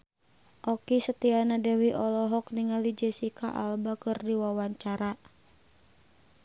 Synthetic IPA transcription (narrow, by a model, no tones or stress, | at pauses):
ʔɔkisət̪ianadɛwiʔɔlɔɦɔk̚niŋalid͡ʒɛsikaʔa̰lbakɨrdiwawaɲt͡ʃaɾa